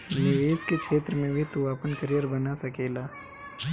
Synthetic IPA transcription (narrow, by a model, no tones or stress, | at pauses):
niʋeːskekʰeːt̪ɾəmẽbʱit̪uaːpənkəɾijəɾbɐnasɐkeːlaː